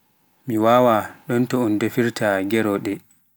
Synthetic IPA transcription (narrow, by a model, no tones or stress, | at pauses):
miwaːwaɗɔntɔɔndofiɾtaɡɛɾɔɗɛ